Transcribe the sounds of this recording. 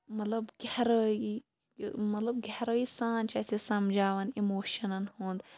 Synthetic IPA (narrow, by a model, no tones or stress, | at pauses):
mɐt̪lɐbɡehɾəi | mɐt̪lɐbɡʱehɾoːisaːnt͡ʃɐsesɐmd͡ʒaːʋɐnimoːʃɐnɐnhũːnd̪